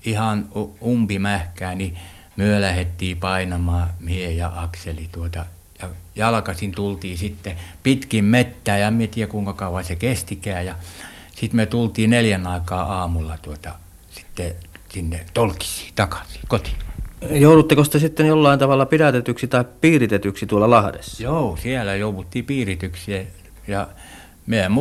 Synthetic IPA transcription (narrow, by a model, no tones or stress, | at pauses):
ihɑnumpimæhkæːni | myølæhet̪ːiːpɑinɑmɑːmiejɑ̰ʔɑkselit̪uot̪ɑ | jɑjɑlkɑsint̪ult̪iːsit̪ːepit̪kimmet̪ːæːjɑemmiet̪iːækuiŋkɑkɑuʋɑsekest̪ikæːjɑ | sit̪met̪ult̪ˑiːneljænɑikɑːɑːmulːɑt̪uot̪ɑ̰ | si̥t̪ːesinːet̪olki̥si̥ːt̪ɑkɑ̥si̥ːkot̪i̥jouɾut̪ːekost̪esit̪ːenjolːɑint̪ɑʋɑlːɑpiɾæt̪et̪yksit̪ɑippiːrit̪et̪yksit̪uolːɑlɑhdḛsːɑjousiælæjouʋut̪ːiːpiːrit̪yksie | jɑ | meæmm